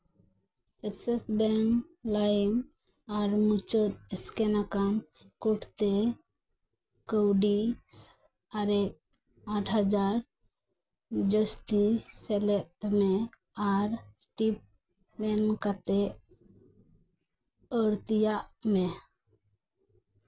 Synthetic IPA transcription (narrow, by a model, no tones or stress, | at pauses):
ɛtsɛsbɛnlam | aɾmut͡ʃət̪̚ɛskɛnakam | kuʈʰt̪ɛ | kəwɖi | aɾɛk̚ | aʈʰɦad͡ʒaɾ | d͡ʒəst̪isɛlɛʔt̪̚mɛ | aɾ | ʈip̚ | bɛnkat̪ɛʔ | əɽt̪ijaʔmɛ